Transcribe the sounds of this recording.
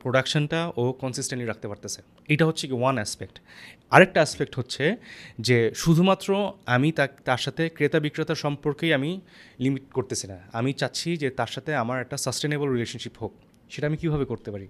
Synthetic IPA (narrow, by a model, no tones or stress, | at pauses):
pɾoɖakʃonʈaokɔnsisʈẽnɳʈliɾak̚t̪epaɾt̪et͡ɕʰe | ejʈaɦotːɕʰekiwanɛspek̚ʈaɾek̚ʈaaspek̚ʈɦotːɕʰed͡ʑeʃud̪ʱumat̪ːɾoamit̪at̪aɾʃat̪ʰekɾet̪abikːɾet̪aɾʃɔmpoɾkejamilimiʈkoɾt̪et͡ɕʰinaamit͡ɕatːɕʰid͡ʑet̪aɾʃat̪ʰeamaɾɛk̚ʈasəsʈenebolɾileʃonʃipɦok̚ | ʃeʈaamikibʱaβekoɾt̪epaɾi